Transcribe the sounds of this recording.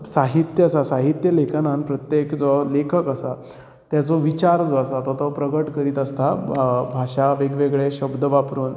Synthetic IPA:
saɦit̪jəasasaɦit̪jəlekʰanãnpɾət̪jekd͡zɔlekʰəkasa | t̪jat͡sɔʋit͡ɕaɾd͡zɔasat̪ɔt̪ɔpɾəɡəʈkəɾiːt̪əst̪ʰabʱaɕaʋeɡʋeɡɭeɕəbd̪əʋapɾuːn

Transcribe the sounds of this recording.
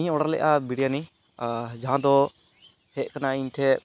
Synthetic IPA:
ĩɲɔɽaɾlɛ̰ʔabiɽijani | d͡ʒaɦãd̪ɔ | hɛʔkanaiɲʈʰɛ

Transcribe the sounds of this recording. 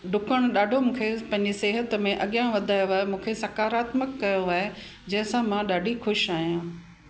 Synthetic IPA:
ɖʊkəɽ̃ʊɗaːɖʱomũːkʰepɐ̃ɦɪ̃ɲd͡ʑiseːɦət̪mẽʔɐɠijãʋɐd̪ʱaːjoaːɦemũːkʰesɐkaːɾaːt̪məkːɐjoaːɦe | d͡ʑɐ̃ɦɪ̃sãmãɗaːɖʱixʊʃaːɦijãː

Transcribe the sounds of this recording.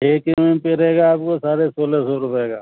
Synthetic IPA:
eːkmẽpeɾɐɦeːɡaːp̚kosaːɾesoːlesɔːɾʊpeːɡa̰ː

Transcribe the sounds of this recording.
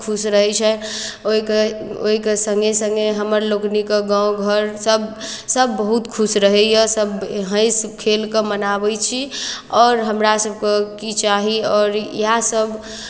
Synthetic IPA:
kʰusɾəɦɛt͡ʃʰɛoikeo̰ɦikesə̃ŋɡesə̃ŋɡeɦəməɾloknikeɡãõɡʱəɾsəb | səbːəɦut̪kʰusɾəɦɛjəsəbɦə̃ɪ̃skʰelkemənabɛt͡ʃʰiɔːɾɦəmɾasəb̚kekit͡ʃaɦiɔːɾjasəb

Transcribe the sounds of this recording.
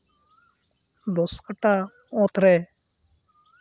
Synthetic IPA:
d̪ɔskaʈa | ɔ̃t̪ɾɛ

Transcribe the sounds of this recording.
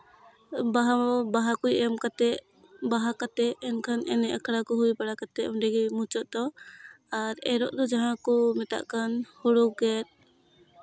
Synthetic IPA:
baɦabaɦakujɛmkat̪ɛʔ | baɦakat̪ɛʔːnkʰanʔɛnɛʔakʰɽakɔɦujpaɽakat̪ɛɔɖɛɡimut͡ʃɔʔd̪ɔ | aɾɛɾɔʔd̪ɔd͡ʒaɦãkɔmɛt̪a̰ʔkanhuɽuɡɛt̪̚

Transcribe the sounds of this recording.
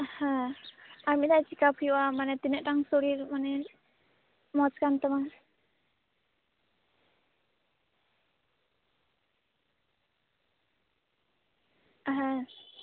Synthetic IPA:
ha | amid̪ajt͡ʃikapʰijwamanɛt̪inəʔʈaŋsoɾiɾmanɛ | mɔt͡ʃkant̪əma | ɦa

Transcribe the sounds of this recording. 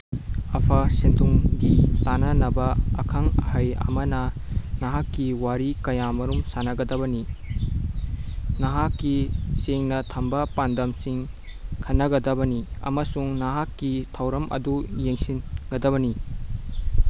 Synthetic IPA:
ɐpʰɐsentʰuŋɡitanɐnɐbɐɐ̰kʰɐŋɐhajɐ̰mɐnɐnɐɦakːiwaɾikɐjamɐɾumsanɐɡɐdɐβɐni | nɐɦakːiseŋnɐtʰɐmbɐpandɐmsiŋ | kʰɐnːɐɡɐdɐbɐniɐ̰mɐsuŋnaɦakːitʰɐwɾɐmʔɐ̰dujeŋsinɡɐdɐβɐni

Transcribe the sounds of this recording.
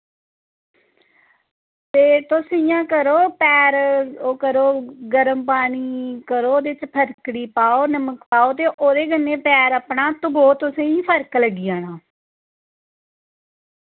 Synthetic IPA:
t̪eːt̪ʊsĩjãːkəɾoːpɛːɾokəɾoːɡəɾəmpaːniːkəɾoːd̪eɪt͡ʃpʰəɾkɽiːpaːoːnəməkpaːoːt̪eːʔoːɾeːɡənːẽːpɛːɾəpɳaːt̪ʊboːt̪ʊsẽːĩːpʰəɾkləɡiːaːnãː

